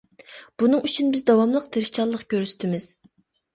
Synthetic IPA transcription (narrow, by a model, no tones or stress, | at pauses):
b̥unɨŋyt͡ʃʰynbɪzd̪ɑwɑmlˠəqt̪ʰeɾʃt͡ʃʰɑlˠːəqkʲøɾyst̪ʰɪmɪz̥